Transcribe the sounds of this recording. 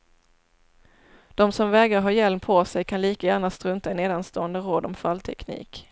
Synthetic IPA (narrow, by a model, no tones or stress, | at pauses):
d̪̥ɔmsɔmvɛːɡɾəɦɑːjɛlmpʰosɛjkʰanliːkajæːɳast̪ɾɵnt̪aɛneːd̪anst̪oːənd̪əɾoːd̪ɔmfalt̪ʰɛ̰knḭːk